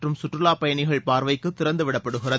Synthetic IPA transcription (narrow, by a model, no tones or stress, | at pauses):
rɯmsʊʈrɯlaːpɐjɐɳɪɣɐɭpaːɾʋɐɪkːɯt̪ːɪɾɐnd̪ɯʋɪɽɐpːɐɽɯɣɪrɐ